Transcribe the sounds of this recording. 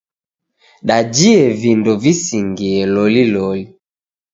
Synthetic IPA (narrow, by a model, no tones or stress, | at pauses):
ɗad͡ʒiɛvindɔvisiŋɡiɛlɔlilɔli